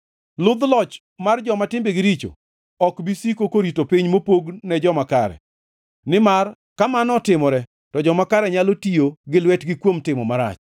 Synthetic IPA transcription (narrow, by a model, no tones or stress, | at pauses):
lʊd̪lɔt͡ʃ | mard͡ʒɔmatɪmbeɡɪɾit͡ʃo̰ | ɔkbisikokoɾitopiɲmopoɡnɛd͡ʒɔmakaɾɛ̰ | nɪmar | kamanɔtɪmɔɾɛ | tɔd͡ʒɔmakaɾɛɲalotijoɡɪlwɛtɡɪkwomtɪmɔmaɾa̰t͡ʃ